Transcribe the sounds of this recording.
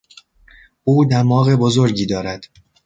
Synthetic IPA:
ʔuːd̪æmɒːɣe̞bozoɾɟiːd̪ɒːɾæd̪̥

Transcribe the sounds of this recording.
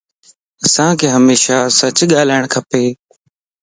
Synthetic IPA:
əsãːkʰeːɦəmeːʃaːsət͡ɕɠaːlaːɪɳ̃kʰəpeː

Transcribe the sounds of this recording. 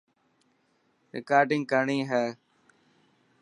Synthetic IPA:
ɾɪ̰kaːɾɖɪ̃ŋɡ̚kəɾɳiːɦɛː

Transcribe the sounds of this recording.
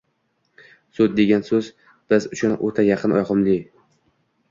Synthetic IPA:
sʊd̪̚d̪ːe̞ɡʲansɵz | b̥ɪzʊʃʊnʔot̪ʰajɑqʰɨnɒ̰jqʰɨmlɪ

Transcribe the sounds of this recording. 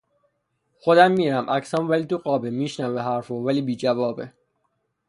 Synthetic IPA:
xod̪æmːiːɾæmʔæcsæmvæliːt̪uɣɒːbemiːʃnæveɦæɾfovæliːbiːd͡ʒævɒːbe

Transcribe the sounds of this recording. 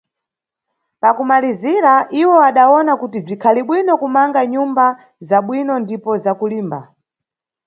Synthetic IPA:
pakumaliziɾaʔiwɔaɗaɔnakutib͡ʐikʰaliɓwinɔkumaŋɡaɲumba | zaɓwinɔndipɔzakuliːmba

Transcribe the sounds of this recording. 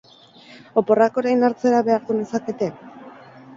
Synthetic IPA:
o̞po̞rako̞ɾejnaɾt͡se̞ɾaβe̞aɾðunesake̞t̪e̞

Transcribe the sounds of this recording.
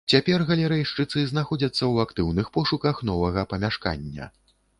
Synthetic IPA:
t͡sʲapʲɛrɣɐlʲɛɾɛjʂt͡ʂɨt̪sɨznaxɔd͡zʲɐt̪sːɐwakt̪ɨwnɨxpɔʂukɐxnɔvɐɣɐpɐmʲaʂka̰nʲːɐ̰

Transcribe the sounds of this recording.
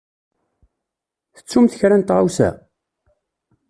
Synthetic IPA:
θə̥t͡sːumθəçɾænt̪ʁawsæ̰

